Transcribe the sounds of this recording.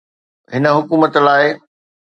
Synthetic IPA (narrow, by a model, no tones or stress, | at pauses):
ɦɪnə̆ɦʊkuːmət̪laːɪ